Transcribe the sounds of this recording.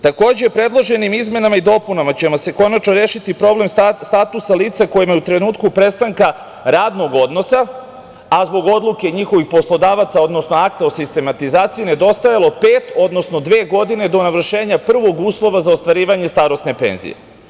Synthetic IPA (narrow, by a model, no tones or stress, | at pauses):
t̪ako̞ːd͡ʑepɾe̞d̪lˠo̞ʒe̞nimizme̞namaid̪o̞punamat͡ɕemose̞ko̞nat͡ʃno̞ɾeːʃit̪ipɾo̞ble̞mst̪at̪usaliːt̪sako̞jimajeut̪ɾe̞nuːt̪kupɾe̞st̪aŋka | ɾaːd̪no̞ɡo̞d̪no̞sa | azbo̞ɡo̞d̪lˠuke̞ɲixo̞ʋixpo̞slˠo̞d̪aːʋat̪sao̞d̪no̞snoak̚t̪aosist̪e̞mat̪izaːt̪sijined̪o̞st̪ajalˠo̞peːt̪o̞d̪no̞sno̞d̪ʋe̞ːɡo̞d̪ine̞d̪o̞naʋr̩ʃe̞ːɲapr̩ʋo̞ɡuːslˠo̞ʋazaost̪ʋaɾiːʋaɲe̞st̪aːɾo̞sne̞pe̞̰nzḭje̞̰